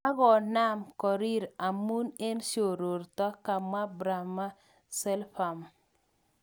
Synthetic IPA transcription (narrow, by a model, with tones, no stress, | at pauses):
a˦ɡɔ˨na˦mkɔ˨ɾi˦ɾa˨mu˦ne˦nʃo˨ɾo˨ɾt̪ɔ˦ka˨ma˦bɾa˨ma˦ | sɛ˦lfa˨m